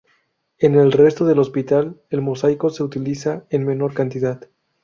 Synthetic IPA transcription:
e̞ne̞lre̞st̪oðe̞lo̞spit̪ale̞lmo̞sajko̞se̞ut̪ilisaenme̞no̞ɾkant̪iðað̥

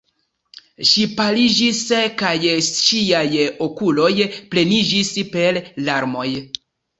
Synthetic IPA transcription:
ʃipalid͡ʒiskajʃiajo̞kulo̞jple̞nid͡ʒispe̞llaɾmo̞j

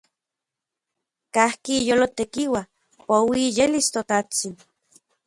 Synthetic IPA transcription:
kahkijolot̪ekiwa | powiːjelist̪ot̪at͡sin

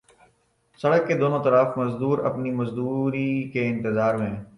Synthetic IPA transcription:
sɐɽəkːed̪oːnõt̪ɐɾaːfmɐzd̪uːɾɐ̰pnimɐzd̪uːɾikeɪ̃nt̪ɪzaːɾmẽː

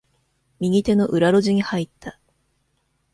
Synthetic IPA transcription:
mʲiɡʲit̪e̞no̞ʔɯ̟ɾaɾo̞ʑiɲ̟ihait̪ʰːa

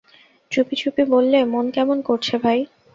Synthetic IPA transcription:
t͡ɕupit͡ɕupibolːemonkɛmonkoɾt͡ɕʰebʱaj

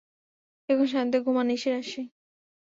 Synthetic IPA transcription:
eboŋʃ̬ant̪̬eɡʱumaniʃeɾaʃi

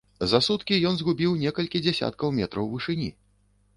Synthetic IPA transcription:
zɐsut̪kʲijɔnzɣubʲiwnʲɛkɐlʲkʲid͡zʲɛsʲa̰t̪̚kɐwmʲɛt̪ɾɐwvɨʂɨnʲḭ

